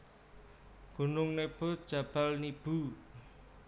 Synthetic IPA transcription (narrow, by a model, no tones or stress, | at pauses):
ɡ̥ṳnʊŋneb̥o̤d̥ʒ̥a̤b̥a̤lnib̥u